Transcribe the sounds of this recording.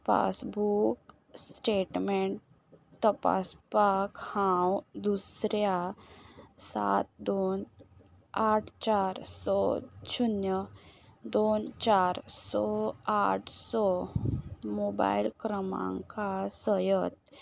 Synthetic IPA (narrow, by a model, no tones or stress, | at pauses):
fa̰sbuk | sʈeʈmeɳʈ | t̪əpa̰spakhãwd̪usɾja | sa̰t̪̚d̪on | aʈʰt͡ɕaɾsɔt͡ɕunjəd̪ont͡ɕaɾsɔaʈʰsɔ | moba̰ilkɾəmã̰ŋkasəjət̪